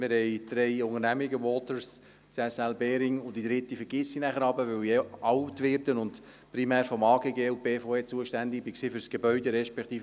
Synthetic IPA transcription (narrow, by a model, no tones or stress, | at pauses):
mɪɾhɛɪd̪̥ɾɛɪʊŋəɾnæmɪɡəwɔːtəɾs | t͡sɛsɛlbeːɾɪŋʊndid̥̪ɾɪtːifəɾɡ̥ɪsːinæχəɾɑbəʋœwjɛɑʊtʋɪːɾdənʊnt | pɾimɛːɾfɔmɑːɡeːɡeːʊb̥eːfoeːt͡suəʃtændɪk̚b̥ɪksiːfʏɾsɡ̥ebœʏdeɾɛʃpɛkt̪iːf